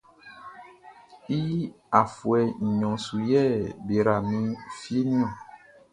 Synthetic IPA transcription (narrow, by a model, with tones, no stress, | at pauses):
i˦ | a˨fu˨ɛ˨ɲ̩˨ɲɔ̃˨su˨jɛ˦˨be˨ɾa˨mĩ˦fi˦e˦nĩ˦ã˨